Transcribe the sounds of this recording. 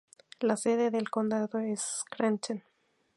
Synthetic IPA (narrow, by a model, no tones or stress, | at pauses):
laseðeðelkond̪aðoeskɾant͡ʃen